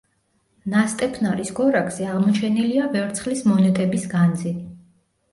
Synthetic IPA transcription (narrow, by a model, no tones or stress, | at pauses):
nast̪ʼɛpʰnaɾisɡɔɾakʰʼz̥iaʁmɔt͡ʃʰɛniliavɛvɾt̪sʰχlismɔnɛt̪ʼɛbisɡand̪zi